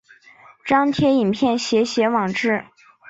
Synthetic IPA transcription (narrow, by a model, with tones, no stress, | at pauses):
ʈ͡ʂɑ˥ŋt̪ʰjɛ˥i˨˩npʰjɛ˥˩nɕjɛ˧˥ɕjɛ˧˥wɑ˨˩ŋʈ͡ʂɻ̩˥˩